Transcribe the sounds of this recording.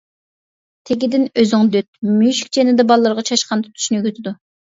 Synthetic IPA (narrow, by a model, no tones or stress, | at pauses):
t̪ʰeɡʲid̪ɪnøzɪŋd̪øt̪̚myʃy̥kʲd͡ʒenɪd̪ɛbɑlˠːəɾʁɑt͡ʃʰɑʃqɑnt̪ʰu̥t̪ʰu̥ʃnykʲøt̪ʰɪd̪u